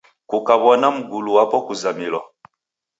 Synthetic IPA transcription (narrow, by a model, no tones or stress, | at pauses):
kukaβɔnam̩ɡuluwapɔkuzamilɔ